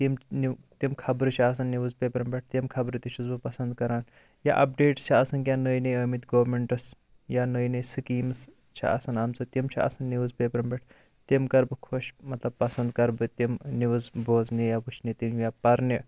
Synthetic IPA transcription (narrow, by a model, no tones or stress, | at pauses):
t̪imnit̪imkʰɐbɾɨt͡ʃʰiaːs̬ɐnːiʋɨzpeːpɾɐmbʲeʈ̚ʰt̪imkʰɐbɾɨt̪it͡ʃʰuzbɨpɐsɐnd̪kɐɾaːn | ja̰ʔɐp̚ɖeːʈt͡ʃʰiasɐnkʲjaːnəːjnɐjɐmit̪ʲɡoːwmeɳʈɐs | jaːnəːjnɐjsɨkiːmɐs | t͡ʃʰḭa̰sɐnaːmt͡sɐt̪imt͡ʃʰiɐ̰sɐnːiʋɨzpʲeːpɾɐmbʲɐʈʰ | t̪imkɐɾbɨkʰoʃmɐt̪lɐb̚pɐsɐnd̪̚kɐɾbɨt̪imniʋɐzboːznijaːbut͡ʃʰnit̪imjaːpɐɾni